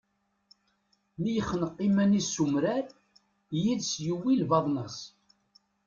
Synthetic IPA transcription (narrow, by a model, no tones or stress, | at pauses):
mijəχːənəqːimænisumɾæɾ | jiðsjuwːilvɑðˤnəs